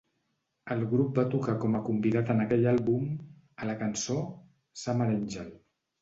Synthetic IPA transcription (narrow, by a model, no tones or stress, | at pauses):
əlˠɣɾup̚bat̪ukakɔməkumbiðat̪ənəkɛʎalˠβum | ələkənso | saməɾɛnʲʒɛl